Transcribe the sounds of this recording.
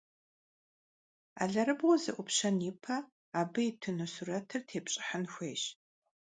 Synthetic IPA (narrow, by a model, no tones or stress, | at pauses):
a̰ːɮɐɾɨbwɔzɨ̰ʔʷʊpɕɐnjɪpʰɐ | aːbɨjɪtʰɨnusurɐtʰɨrtʰeːpɕʼɪ̥ħɐnxʷeːɕ